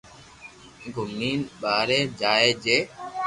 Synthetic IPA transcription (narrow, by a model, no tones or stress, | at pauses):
ɡʱʊmniːnɓaːɾeːd͡ʒaːeːd͡ʒeː